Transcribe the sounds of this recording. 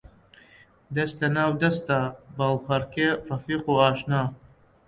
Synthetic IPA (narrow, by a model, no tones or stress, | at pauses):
d̪ɐst̪lɐnaːwd̪ɐst̪abalpʰɐɾkerɐfiːqoɑːʃnaː